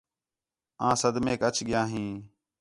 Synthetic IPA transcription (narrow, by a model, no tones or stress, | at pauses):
ãːsəd̪mẽːkət͡ʃʰɠɪjãːɦĩː